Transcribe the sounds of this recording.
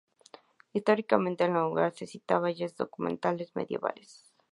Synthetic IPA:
ist̪o̞ɾikamẽnt̪enlauɣa̰ɾsesit̪aβaʝezðo̞̰kumẽ̞̰nt̪ale̞zme̞̰ðje̞βa̰les

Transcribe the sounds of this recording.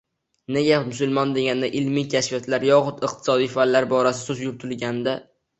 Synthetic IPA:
neɡʲamʊsʊlˠmɒnd̪e̞ɡʲand̪aʔɪlmijkʲʰaʃfijat̪ʰlaɾjɒχʊt̪ɨq̚t̪ʰɪ̥sɒd̪ijfalːaɾbɒɾasɪ̥sɵzjʊɾt̪ʰɪlɡʲand̪a

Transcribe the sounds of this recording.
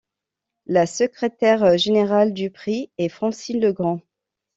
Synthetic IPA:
lasəkχet̪ɛʁʒeneʁald̪ypχiɛfχɑ̃silːəɡʁɑ̃

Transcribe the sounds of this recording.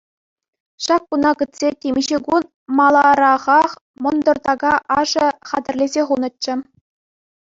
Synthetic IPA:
ɕɑk̚ːunɑkɯ̆t̪ʲsʲetʲemʲiʑɘɡun | mɑlˠɑɾɑʁɑχ | mɤ̆nd̪ɤ̆rt̪ɑɡɑʔɑʐɤ̆χɑd̪ʲɘ̆rʲlʲezʲeχunɤ̆t̚t͡ɕːɘ̆

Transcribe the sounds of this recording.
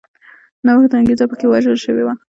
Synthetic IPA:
nawəxd̪əaŋɡezapəkewaʒəlʃəwewa

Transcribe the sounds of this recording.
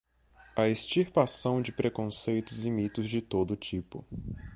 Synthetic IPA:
ɐest͡ʃiɾpasɐ̃w̃d͡ʒɪpɾekõsejt̪ʊzimit̪ʊzd͡ʒɪt̪od̪ʊt͡ʃipʊ̰

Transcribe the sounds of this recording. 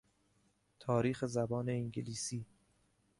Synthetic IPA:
t̪ʰɒːɾiːxezæbɒːne̞iŋɟeliːsiː

